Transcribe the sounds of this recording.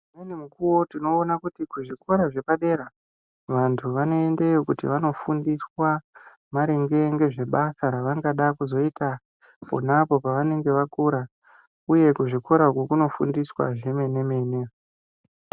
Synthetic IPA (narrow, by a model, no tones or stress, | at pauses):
nenimukuwo̞tino̞ːnakutikuʐikʰo̞ɾaʐe̞paɗe̞ɾa | ʋantʰuʋano̞e̞nde̞jokutḭʋano̞fundiswa | maɾeŋɡe̞ŋɡe̞ʐe̞ɓasaɾaʋaŋɡaɗakuzo̞ita | po̰napo̞paʋane̞ŋɡe̞ʋakuɾa | uje̞kuʐiko̞ɾakokuno̞fṵndiswa̰ʐe̞me̞ne̞me̞ne